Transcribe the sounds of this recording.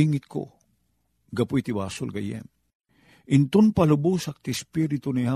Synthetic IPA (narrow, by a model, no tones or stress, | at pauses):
iŋɪt̪̚kʰo̰ | ɡɐpʊjt̪ɪbaːsʊ̰lkɐ̰jɛ̰m | ʔɪnt̪ʊnpalʊbusɐk̚t̪ɪspiɾɪt̪ʊniha